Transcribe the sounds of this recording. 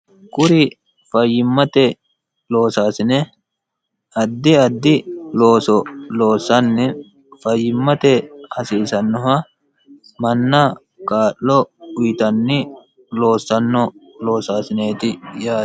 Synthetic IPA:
kʊɾɪ | fɐjːɪmːɐt̪ɛ | lo̞ːsaːsɪnɛ | ɐd̪ːɪɐd̪ːɪloːsɔlo̞ːsːɐnːɛ | fɐjːɪmːɐt̪ɛhɐsiːsɐnːɔhɐ | mɐnːɐ | kʼaːʔːɔʊjɪt̪ɐnːɪ | lo̞ːsːɐnːɔlo̞ːsaːsɪneːt̪ɪjaː

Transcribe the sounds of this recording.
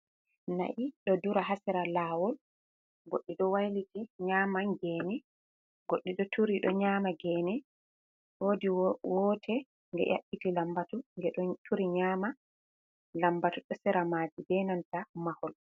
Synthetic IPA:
na̰ʔiɗɔduɾaɦasɛɾalaːwɔl | ɡoɗːiɗɔwajlitiɲaːmaŋɡɛːnɛ | ɡoɗːiɗɔtʰuɾiɗɔ̰ɲaːmaɡɛːnɛ | hodiwɔtʰɛ | ŋɡɛ̰ʔa̰ɓːitilambatuŋɡɛtʰuɾiɲaːma | lambatuɗɔsɛɾamaːd͡ʒibɛnantamahɔl

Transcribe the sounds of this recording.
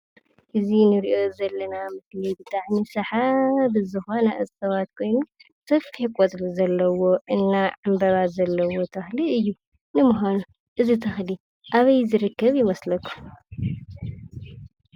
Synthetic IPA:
ʔɨzinɨɾiʔo̞zɐlːɐnamɨklibɨt̪ʼaʕnisɐħabɨzɨxonɐʔɨzsɐβat̪kʰo̞jnu | sɐfiħkʷʼot̪ʼluzɐlːɐwo̞ʔɨnːaʕambɐβazɐlːɐwo̞t̪ʰɐxliɨjːu | nɨmuhanu | ʔɨzit̪ʰɐxli | ʔaβɐjzɨɾɨkːɐβjɪmɐslɐkʰːu̥

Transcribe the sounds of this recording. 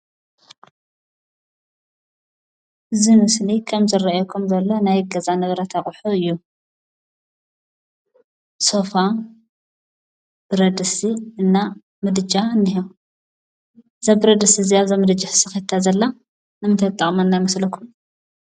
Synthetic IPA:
ʔɨzimɨslikʰɐmzɨraajokʰumzɐlːonajɡɐzanɐβɾɐt̪ʰaχʼħuɨjːu | sofa | b̥ɨɾɐd̪ɨsiɨnːa | mɨd̪ɨd͡ʒʼaɨnːɨɦo | zabɨɾɐd̪ɨsiɨziaβzɐmɨd̪ɨd͡ʒɪħsɨxet̪ʰːazɐlːa | nɨmɨnt̪ʰɐt̪ʼːɐχʼmaɨnːajmɐslɐkʰum

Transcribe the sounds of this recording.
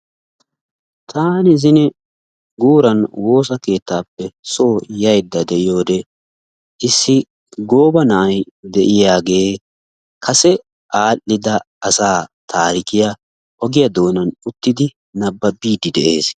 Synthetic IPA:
t̪ʰaːnɪzɪnɛ | ɡuːɾɐnwo̞ːs̬ɐke̞ːt̪ːaːpːɛsoːjɐjd̪ːɐd̪ɛʔɪjo̞ːd̪ɛ | ʔɪsːɪ | ɡo̞ːbɐnɐʔɐjd̪ɛʔɪjaːɡe̞ː | kʰɐsɛ | ʔaːlːɪd̪ɐ | ɐsaːt̪ʰaːɾɪkɪjɐ | ʔɔɡɪjɐd̪o̞ːnɐnʊt̪ːɪd̪ɪ | nɐbːɐbiːd̪ɪd̪ɛʔe̞ːs

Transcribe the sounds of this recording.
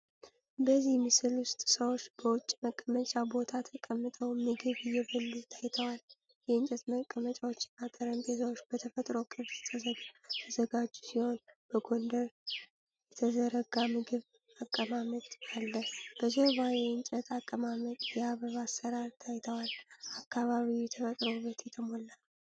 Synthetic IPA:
bəzimɨsɨlʊst̪ʼsəwo̞t͡ʃːb̥əwʊt͡ʃʼːməkʼːəmət͡ʃʼabo̞t̪ʰat̪ʰəkʼəmːɨt̪ʼəwmɨɡɨβɪjːɛbɨlːut̪ʰajt̪ʰəwal | jɛɨnt͡ʃʼɛt̪məkʼːəmət͡ʃʼawot͡ʃːɪ̥nat̪ʼəɾənt̪ʰezəwot͡ʃːb̥ət̪ʰəfət̪ʼɾokʼɨβst̪ʰəzəɡt̪ʰəzəɡad͡ʒusiho̞nb̥əɡo̞nd̪əɾ | jɛt̪ʰəzəɾəɡamɨɡɨβ | akʼːəmamət̪alːəb̥əd͡ʒeβajeɛɨnt͡ʃʼɛt̪ʰakʼːəmamət̪jɛaβəβasːəɾaɾt̪ʰajt̪ʰəwalakːaβaβiwjɛt̪ʰəfət̪ʼɾoβət̪jɛt̪ʰəmolːa

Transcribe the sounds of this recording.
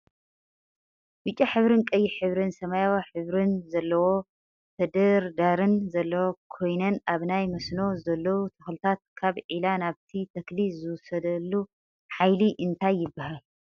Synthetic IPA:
bɨt͡ʃʼːaħɨβɾɨnkʼɐjːiħɨβɾɨnsɐmajawaħɨβɾɨnzɐlːɐwo̞ | t̪ʰɐd̪ɐɾd̪aɾɨnzɐlːɐwokʰo̞jnɐnaβnajmɐsno̞zɐlːɐwut̪ʰɨxlɨt̪ʰat̪̚kʰaβʕilanaβt̪ʰit̪ʰɐklizɨwʊsɐd̪ɐlːu | ħajliʔɨnt̪ʰajːɪbːahal

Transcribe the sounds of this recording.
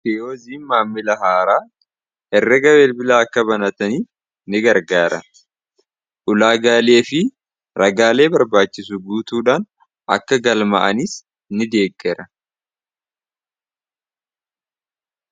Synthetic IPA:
kɛoːziːnmaːmːɪlɐɦaːɾaː | ʔɛrːɐɡɐweːlbɪlaːɐkːɐbɐnɐt̪ɐniːf | nɪɡɐɾɡaːɾɐ̰ | ʔʊlaːɡaːle̞ːfɪ | ɾɐɡaːle̞ːbɐɾbaːt͡ʃːɪsʊɡuːt̪uːᶑaːn | ɐ̰kːɐɡɐlmɐ̰ʔɐnɪs | nɪd̪e̞ːɡːɛɾɐ

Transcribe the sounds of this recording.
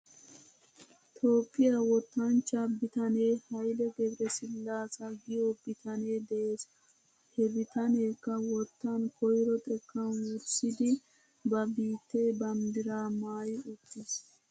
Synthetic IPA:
t̪ʰo̞ːpʼːɪjɐwɔt̪ːɐnt͡ʃːɐbɪt̪ɐneːhɐjlɛɡɛbɾɛsɪlːaːsɐɡɪjɔbɪt̪ʰɐneːd̪ɛʔeːs | hɛɾɪt̪ɐneːkːɐwɔt̪ːɐnkɔjɾɔt̪ʼɛkːɐnwʊɾsɪd̪ɪ | bɐbiːt̪ːebɐmd̪ɪɾaːmaːjʊt̪ːɪs

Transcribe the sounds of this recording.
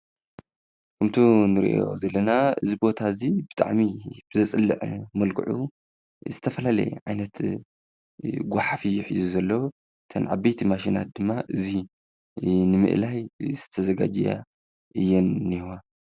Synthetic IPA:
kʰɨmt̪ʰunɨɾḭʔo̰zɐlːɐnaʔɨ̰zibo̞t̪ʰazibɨt̪ʰʼa̰ʕmib̥ɨzɐt͡sʼɨlːɨ̰ʕmɐlkʰʼɨ̰ʕṵ | zɨt̪ʰɐfɐlalɐ̰j̰ʕajnɐt̪ | ɡʷaħafijħizuzɐlːɐw | t̪ʰɐnʕa̰bɐjt̪ʰimaʃ̬ina̰t̪̚d̪ɨmːaʔɨzi | nɨmɨ̰ʔlajzɨ̥t̪ʰɐzɐɡa̰d͡ʒɛ̰ja̰ | ʔɨjːɛnːiwa

